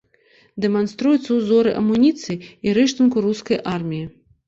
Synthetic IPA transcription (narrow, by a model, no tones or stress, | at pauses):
d̪ɛmanst̪ɾujut̪sːɐwzɔɾɨʔɐ̰munʲit̪sɨjiiɾɛʂt̪unkuɾuskɐjʔarmʲiji